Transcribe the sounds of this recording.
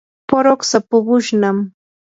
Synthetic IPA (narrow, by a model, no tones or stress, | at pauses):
poɾoksapʊɢʊʃnam